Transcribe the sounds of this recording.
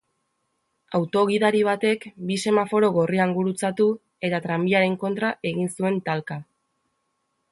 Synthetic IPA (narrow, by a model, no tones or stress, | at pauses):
awt̪o̞ɣ̞iðaɾiβ̞at̪e̞kbise̞mafo̞ɾo̞ɣo̞riaŋɡuɾut͡sat̪u | e̞t̪at̪ɾambiaɾe̞ŋko̞nt̪ɾaʔe̞ɣinsue̞nt̪alka